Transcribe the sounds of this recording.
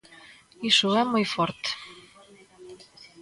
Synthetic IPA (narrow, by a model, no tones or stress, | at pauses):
iʃuæmojfort̪